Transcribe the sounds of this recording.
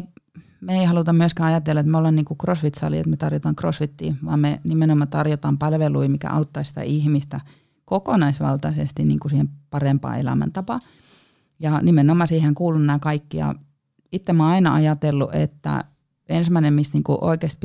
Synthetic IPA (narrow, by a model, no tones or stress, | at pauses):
meeihɑlut̪ɑmmyøskæːɑjɑt̪elːɑet̪meolenniːŋkukrosʋit̪sɑ̰lḭḛt̪met̪ɑrjot̪ɑːŋkrosʋit̪ːḭːʋɑ̰ːmmenimenomːɑt̪ɑrjot̪ɑːmpɑlʋeluimikæ̰ʔɑ̰ut̪ːɑisi̥t̪æ̰ʔihmist̪æ | kokonɑisʋɑ̰lt̪ɑsḛst̪inniːŋkusiːhempɑrempɑ̰ːḛlæ̰mæ̰nt̪ɑpɑ | jɑnimenomːɑsiːheŋkuːlunˑːkɑikːijɑ̰ | it̪ːemɑɑinɑʔɑjɑt̪elːuʔḛt̪ːæ̰ | ensmæinemmisniːŋkṵʔo̰ikeːˑst̪̚p